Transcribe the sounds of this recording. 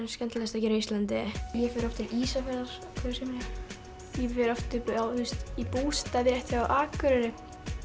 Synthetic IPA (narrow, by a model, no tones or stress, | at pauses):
nscɛnt̪lɛst̪ɛcɪɾœist̪lant̪ɪjɛfɛɾɔft̪ɪʔiːsafɛɾðaɾ̥ | kʰvɛsɛmnɪ | jɛfɛɾɔft̪ʏaθust̪ipuːst̪avɪɾɛht̪θaaʔaːkʏɾʏɾɪ